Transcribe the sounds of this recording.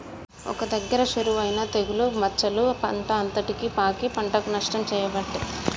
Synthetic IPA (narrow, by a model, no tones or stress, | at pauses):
ɔ̰kɐd̪ɐɡːɐɾɐʃuɾuːʋɐjnɐt̪eɡulumɐt͡ʃːɐlupɐɳʈɐːnt̪ɐʈikipaːkipɐɳʈɐkunɐʂʈɐmt͡ʃɛːjɐbɐʈːe